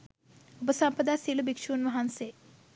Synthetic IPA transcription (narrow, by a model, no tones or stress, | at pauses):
upəsɐmpɐd̪aːsilubikʂuunʋɐɦanse